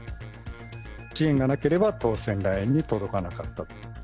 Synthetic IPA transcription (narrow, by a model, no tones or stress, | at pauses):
t͡ɕiẽŋɡanake̞ɾe̞bat̪o̞ːsẽ̞nɾaẽɲ̟ːit̪o̞d̪o̞kanakat̪ːḁ